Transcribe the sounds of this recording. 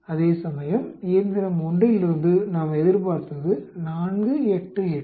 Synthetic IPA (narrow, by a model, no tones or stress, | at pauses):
ɐðeːsɐmɐjɐmiːɾnd̪ɪɾɐmʊɳɖrɪlɪɾɯnd̪ɯnaːmɐɛðɪɾp̬aːɾt̪ɐðɯnaːnɡɯɛʈːɯɛ